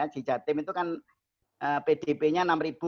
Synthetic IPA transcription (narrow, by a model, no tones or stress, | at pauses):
ḁʒ̥i̤̥ʒ̥a̤t̪ɪmit̪ukan | ʔəped̥epeɲanamrib̥u